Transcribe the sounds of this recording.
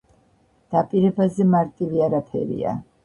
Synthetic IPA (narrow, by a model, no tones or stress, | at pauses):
d̪̥apʼiɾɛbazɛmaɾt̪ʼiliaɾapʰɛ̰ɾḭa̰